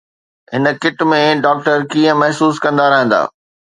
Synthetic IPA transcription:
ɦɪnə̆kɪʈmẽɖaːk̚ʈəɾkiːə̃mɐɦsuːskɐ̃nd̪aɾɐɦə̃nd̪a̰ː

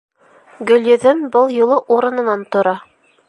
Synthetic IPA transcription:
ɡɵ̆ljɵ̆ðɘmbɤlˠjulˠɤʔuɾɤ̆nɤ̆nɑnt̪ŏɾɑ

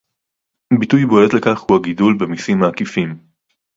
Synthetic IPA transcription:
bitujbolet̪le̞kaχhuaɡidulbe̞misimaːkifim

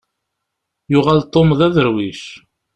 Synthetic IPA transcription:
jʊʁalt̪ˤːomðæðəɾwiʃ

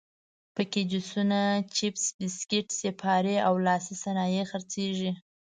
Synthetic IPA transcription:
pəked͡ʒʊsunat͡ʃɪpsbɪskɪʈsepʰɑɾeawlɑsisanɑjexəɾt͡seʒi

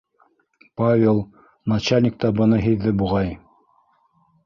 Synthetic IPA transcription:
pavʲelˠ | nat͡ɕalʲnʲɪk̚t̪ɑbɤ̆nɤɦiðːɘbuʁɑj

